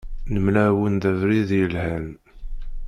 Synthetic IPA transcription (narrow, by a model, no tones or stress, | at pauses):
nəmlæwənðævɾiðjəlhæn